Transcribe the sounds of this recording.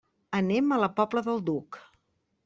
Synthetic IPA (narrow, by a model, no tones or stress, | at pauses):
ənemələpɔbləðəlˠd̪uk